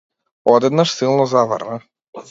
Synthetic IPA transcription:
ɔd̪ɛd̪naʃsilˠnɔzavə̰ɾna

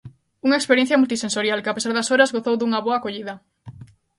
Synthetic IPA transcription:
uŋaekspeɾjẽnθjɐmult̪isensoɾjalkɪapesaɾðasoɾazɣoθowðuŋɐβoakoʎiðɐ

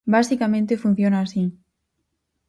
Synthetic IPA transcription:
basikamẽnt̪efun̟θjonaːsi

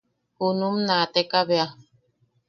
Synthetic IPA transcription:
hunumnat̪ekaβea

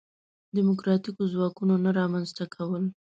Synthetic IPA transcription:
d̪ɪmʊkɾɑt̪ikozwɑkunonaɾɑmanzt̪akʰawəl

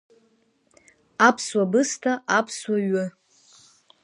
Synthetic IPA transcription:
apʰswabɨstʰaʔapʰswaɥʊ

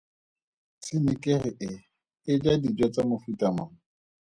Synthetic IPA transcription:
sɪnɪkʼɪrɪʔɪ | ɪd͡ʒadid͡ʒɔt͡samʊfutʼamaːŋ̩

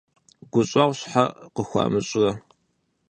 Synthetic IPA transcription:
ɡʷʊɕʼaʁʷɕħaqəxʷɑ̰ːmɨɕʼɣɐ

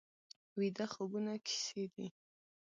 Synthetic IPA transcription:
wid̪axobunakʰi̥sed̪i

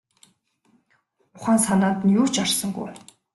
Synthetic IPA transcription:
ʊχaːnsanaːnt̪ə̆njuːt͡ɕarsə̆ŋɡṵj

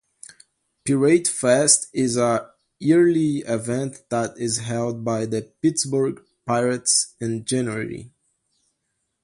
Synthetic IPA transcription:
piɹeɪdfɛstɪzə | iɹliɪvɛ̃nt̪ðæɾɪzɦɛlˠd̚baɪðəpɪtsbəɹɡ | paɪɹɨtsɨ̃nd͡ʒɛnə˞ɨ̰lḭ

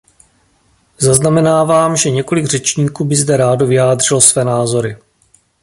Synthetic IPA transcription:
zaznamɛnaːvaːmʒɛɲɛko̞lɪɡr̝̥ɛt͡ʃɲiːkuːbɪzdɛɾaːdovɪjaːdr̝̥ɪlosvɛːnaːzo̞ɾɪ

